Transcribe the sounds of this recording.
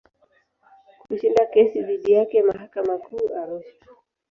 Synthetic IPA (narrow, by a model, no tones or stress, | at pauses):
kuʃindakɛsiðiɗijakɛmaɦakamakʰuːʔaɾuʃḁ